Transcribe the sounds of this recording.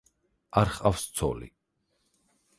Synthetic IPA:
aɾχʼafst̪sʰɔ̰lḭ

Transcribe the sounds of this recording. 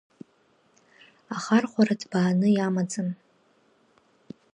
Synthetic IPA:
aχarχʷaɾadʰbaːnɨjamad͡zɨn

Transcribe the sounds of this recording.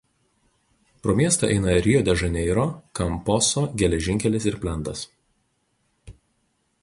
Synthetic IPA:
pɾoːmʲiɛst̪ɐˑʔɛ̰ɪnɐɾʲɪjoːd̪ʲɛʒɐnʲɛɪɾoːkɐmpɔsoːɡʲɛlʲɛʒʲɪŋʲkʲɛlʲɪs̬ɪɾpʲlʲɛnˑt̪ɐs

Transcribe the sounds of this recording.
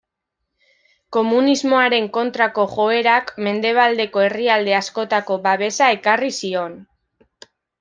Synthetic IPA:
ko̞munizmo̞aɾe̞ŋko̞nt̪ɾako̞ʝo̞e̞ɾakme̞nd̪e̞β̞ald̪e̞ko̞e̞riald̪e̞asko̞t̪ako̞βaβe̞sae̞karisio̞n

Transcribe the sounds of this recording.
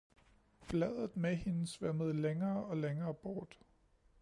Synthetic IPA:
flɛð̰ˠð̩ˠmehe̝nəsʋæməð̞̩ˠleŋɐːɒ̽leŋɐːb̥ɒːd̥

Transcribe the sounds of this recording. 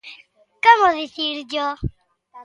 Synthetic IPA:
komoðiθiɾd͡ʒo

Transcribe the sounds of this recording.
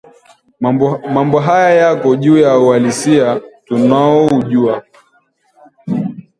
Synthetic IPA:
mambɔɦajajakɔʄuːjauwalisiatunaɔuʄua

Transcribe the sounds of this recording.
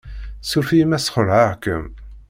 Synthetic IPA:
suɾfimæsχəɾˤʕaʁkəm

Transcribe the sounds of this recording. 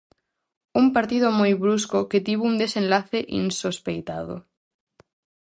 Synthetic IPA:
umpaɾt̪ið̞omojβɾuskoket̪iβound̪esẽnlaθeʔḭnsospejt̪að̞o̰

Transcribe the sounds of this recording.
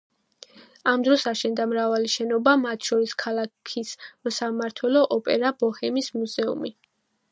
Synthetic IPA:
amd̪ɾɔsaʃɛnd̪amɾavaliʃɛnɔbamat̪ʰʃɔɾiskʰalˠakʰisɔsamaɾt̪ʰwɛlɔʔɔpʼɛɾabɔhɛmismuzɛṵmi

